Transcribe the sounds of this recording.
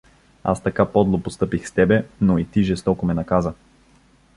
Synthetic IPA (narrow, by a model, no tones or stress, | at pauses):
a̰st̪ɐkapɔd̪lˠopost̪ɤpixst̪ɛbɛnoit̪iʒɛst̪ɔkomɛnɐkazə